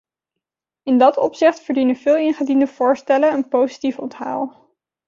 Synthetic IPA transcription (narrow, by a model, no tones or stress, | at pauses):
ɪndɑtɔ̰psɪχtfəɹdinənvɪːlˠɪnχədindəv̥ʊːɹstɛlənənpowzi̥tifɔntɦa̰ːlˠ